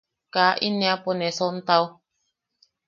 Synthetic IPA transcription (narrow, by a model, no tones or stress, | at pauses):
kaːʔiniapɔnɛsɔn̩t̪aw